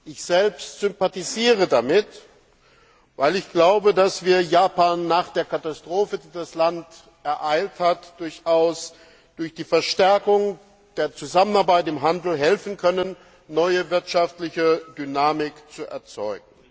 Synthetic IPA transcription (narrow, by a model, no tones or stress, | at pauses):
ʔɪçz̥ɛlpstz̥ʏmpatiziːʁədamɪt | vaɪlɪçɡ̥laʊbədasv̥iːɐjaːpaːnːaːχd̥eːɐkʰatastʁ̥oːfədiːdaslant | ʔɛɐʔaɪlthatd̥ʊɐçʔaʊs | d̥ʊɐçd̥iːfɛɐʃtɛɐkʊŋ | d̥eːɐt͡suzamənaɐbaɪtɪmɦandl̩ɦɛlfn̩kʰœnənː | ɔʏəvɪɐtʃaftlɪçəd̥ynaːmɪkt͡suʔɛ̰ɐt͡sɔʏɡ̚ŋ̩